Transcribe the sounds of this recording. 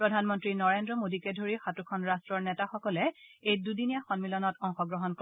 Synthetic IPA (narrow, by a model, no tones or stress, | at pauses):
pɹɔdʱanmɔntɹinɔɹendɹɔmodikɛdʱoɹixatukʰɔnɹastɹɔɹnɛtaxɔkɔlɛejdudinijaxɔnmilɔnɔtɔŋxɔɡɹɔɦɔnk